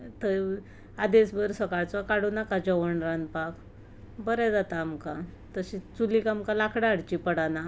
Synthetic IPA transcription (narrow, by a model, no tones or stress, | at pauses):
t̪ə | ad̪esbəɾsəkaɭt͡sɔkaɽunakad͡ʑɔʋəɳɾanpak | bəɾɛd͡zat̪aːmka | t̪əɕit͡sulikamkalakʰɽaːɽt͡ɕipəɽana